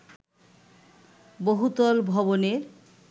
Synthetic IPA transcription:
boɦut̪ɔlbʱɔβoneɾ

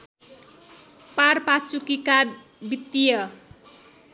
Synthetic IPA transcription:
parpat͡sukika | bit̪ːijʌ

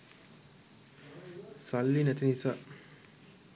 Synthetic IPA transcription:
salːinɛt̪inisaː

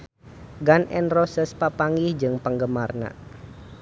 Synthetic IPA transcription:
ɡanʔɛ̰nrɔsəspapaŋɡɪhd͡ʒɨŋpəŋɡəmarna̰

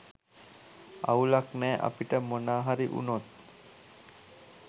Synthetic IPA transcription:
a̰wlaknɛːʔa̰piʈəmonaːɦaɾiʔṵnot̪̚

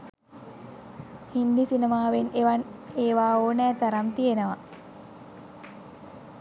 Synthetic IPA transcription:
hind̪isinəmaːʋeneʋaneːʋaːoːnɛːt̪aɾamt̪ijenəʋa

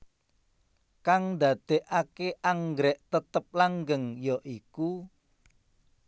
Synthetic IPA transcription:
kaŋnd̪ä̤d̪̥e̤ʔakeʔaŋɡɾɛʔt̪ət̪əp̚laŋɡəŋjɔʔiku

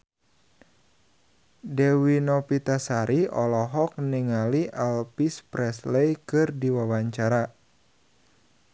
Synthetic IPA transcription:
dɛwinɔpit̪asaɾiɔ̰lɔɦɔk̚niŋaliʔɛlpispɾɛslɛjkɨrdiwawaɲt͡ʃaɾa

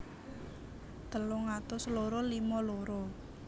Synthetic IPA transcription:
d̪̥ə̤lʊŋat̪ʊsloɾolimɔloɾo

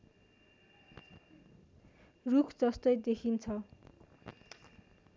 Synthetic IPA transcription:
rukʰd͡zʌst̪ʌjd̪ekʰint͡sʰʌ

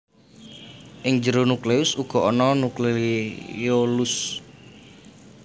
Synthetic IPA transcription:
ʔɪŋd͡ʒəɾonukleʊsuɡ̥ɔ̤ʔɔnɔnuklejolus

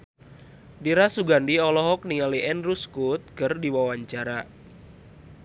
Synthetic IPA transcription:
diɾasuɡandiɔlɔɦɔk̚nialiʔɛnruskut̪̚kərdiwawaɲt͡ʃaɾa

